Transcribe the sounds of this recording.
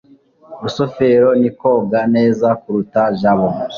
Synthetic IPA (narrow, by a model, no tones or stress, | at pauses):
ɾusofeɾo̞niko̞ːɡaneːzakuɾutaʒaβo